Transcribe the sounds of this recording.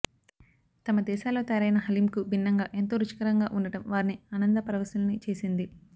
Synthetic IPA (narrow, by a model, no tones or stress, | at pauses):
t̪ɐmɐd̪ɛːʃaːlo̞ːt̪ɐjɾɐjnɐɦɐlimkubʱinːɐŋɡaːʔe̞nt̪oːɾut͡ʃi̥kɐɾɐŋɡaːʔuɳɖɐʈɐmʋaːɾiniɐnɐnd̪ɐpɐɾɐʋɐsɐlɐnit͡ʃe̞ːsind̪i